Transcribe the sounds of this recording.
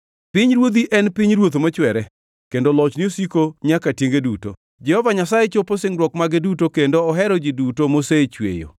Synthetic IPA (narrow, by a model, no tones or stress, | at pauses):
pɪɲɾwod̪iʔɛnpɪɲɾwot̪omot͡ʃwɛɾɛ | kendolɔt͡ʃnɪosikoɲakatjeŋɡeduto̰ | d͡ʒɛhɔvaɲasajɛt͡ʃoposɪŋɾwɔkmaɡedutokendoɔɦɛɾɔd͡ʒidutomoset͡ʃwḛjo̰